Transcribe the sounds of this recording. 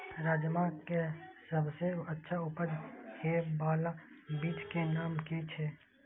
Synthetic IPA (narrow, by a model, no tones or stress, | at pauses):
ɾaːd͡ʒmakesəbseətːʃʰaʊpəd͡ʒ̪kebaːlabiːt͡ʃkenaːmket͡ʃʰeː